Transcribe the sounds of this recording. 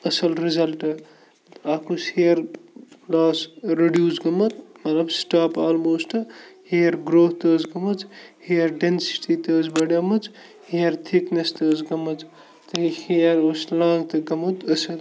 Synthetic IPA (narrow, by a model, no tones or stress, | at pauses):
ɐsɐlɾizɐlʈɨ | aːkusheːɾplaːsɾeɖjuːsɡɐmɐt̪mɐt̪lɐbsʈaːpaːlmoːsʈɨheːɐɾɡɾoːht̪əːzɡɐmɐt͡sheːɐɾɖensi̥ʈit̪əːzbɐɽɐmɐt͡s | heːɐɾt̪ʰiknest̪əːzɡɐmɐt͡s | t̪ɐheɾoslãːŋɡt̪ɨɡɐmɐt̪ɐsɐl